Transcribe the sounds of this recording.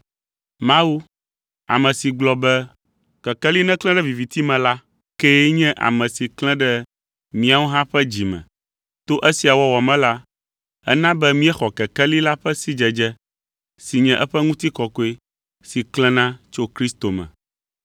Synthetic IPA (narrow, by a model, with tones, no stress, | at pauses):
mã˦wu˦ | a̰˨mɛ̃˨si˨ɡ͡blɔ˨bɛ˦ | kɛ˨kɛ˦li˦nɛ̃˦klɛ̃˦ɖɛ˦vi˨vi˨t̪i˦mɛ̃˨la˦ | ke˦ɲɛ̃˦ʔa̰˨mɛ̃˨si˨klɛ̃˦ɖɛ˦ | mĩ˦a˨wo˦ɦã˦ɸɛ˦d͡ʑi˨mɛ̰̃˨ | t̪o˦ʔɛ˦si˨a˨wɔ˦wɔ˨mɛ̃˦la˦ | ɛ̰˦nã˦bɛ˦mĩ˦ɛ˦xɔ˨kɛ˨kɛ˦li˦la˦ɸɛ˦si˦d͡ʒɛ˨d͡ʒɛ˦ | si˨ɲɛ̃˨ʔɛ˦ɸɛ˦ŋũ˦t̪i˦kɔ˨ko˦e˦ | si˨klɛ̃˦nã˦t͡ʃo˦kɾi˦st̪o˨mɛ̰̃˨